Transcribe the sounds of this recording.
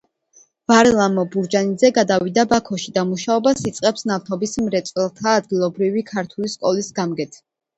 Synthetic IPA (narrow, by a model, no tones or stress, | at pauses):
vaɾɛlˠamɔbuɾd͡ʒanid̪zɛɡad̪avid̪abakʰɔʃid̪amuʃaɔbasit̪sʼqʼɛpsnaft̪ʰɔbismɾɛt̪sʼwɛlˠt̪ʰaːd̪̚ɡilˠɔbɾivikʰaɾt̪ʰuliskʼɔlisɡamɡɛt̪ʰ